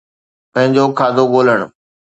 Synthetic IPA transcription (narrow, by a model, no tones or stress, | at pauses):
pɐ̃ɦɪ̃ɲd͡ʑoːkʰaːd̪oɠoːləɽ̃